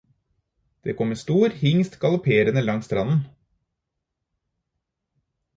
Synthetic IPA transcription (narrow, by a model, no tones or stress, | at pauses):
d̪̥ḛːkʰɔmːest̪uːɾhɪŋst̪ɡɑlʊpʰeːɾənəlɑŋst̪ɾɑnn̩